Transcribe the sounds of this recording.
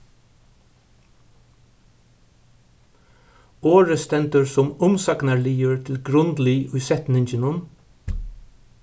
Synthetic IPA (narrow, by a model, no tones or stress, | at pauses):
oːɹəst̪ɛnt̪əɹsʊmʊmsɑknəɭiːəɹt̪ʰɪlɡɹʉnd̪liʉːsɛt̪nɪŋçənʊn